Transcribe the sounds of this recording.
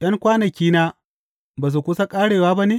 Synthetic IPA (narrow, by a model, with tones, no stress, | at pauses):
jɐ˦ŋkʷaː˦nɐ˨kʲiː˦naː˦ | baː˨s̬u˨kʷʊ˦sa˦kʼaː˦ɽeː˨waː˦ba˦neː˦